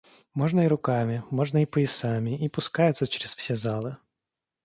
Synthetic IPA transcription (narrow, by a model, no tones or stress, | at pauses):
mɔʐnəiɾʊkamʲɪmɔʐnəipəjɪsamʲɪʔipʊskajʊt̪sət͡ɕɪɾʲɪsfsʲɛzalˠɨ